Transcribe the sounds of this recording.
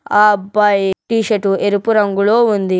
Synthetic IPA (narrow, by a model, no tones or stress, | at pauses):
aːbɐjʈiːʃɐʈueɾupuɾɐŋɡuloːund̪i